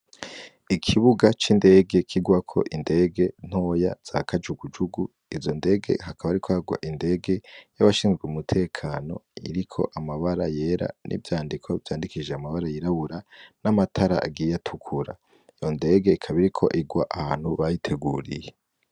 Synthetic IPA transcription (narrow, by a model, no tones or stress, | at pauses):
ikʰiβuɡat͡ʃinde̞ːɡe̞kʰiɡwakʰo̞̰ʔinde̞ɡe̞n̥ho̞ja̰z̥akʰad͡ʒuɡud͡ʒuɡu | izo̞nde̞ːɡe̞̰ɦakʰaβaɾikʰohaɡwa̰ʔinde̞ːɡe̞jaβaʃiːnzɡweumutʰe̞ːkʰaːno̞̰ḭɾikʰo̞̰ʔamaβaɾaje̞ɾa̰nʔḭvjaːndikʰo̞vjaːndikiʒeamaβaɾajiɾaβuɾanamatʰaɾa̰ʔa̰ɡijatʰukʰuɾa̰ | ijo̞nde̞ːɡe̞ikʰaβiɾikʰo̞ʔiɡwa̰ʔahaːn̥huβajitʰe̞ɡuːɾḭje̞